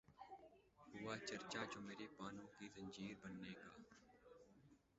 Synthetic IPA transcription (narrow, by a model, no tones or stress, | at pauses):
ɦʊːaːt͡ʃəɾt͡ʃaːd͡ʒoːmeːɾeːpaːnõːkiːzə̃ɲd͡ʒiːɾbənːeːka̰ː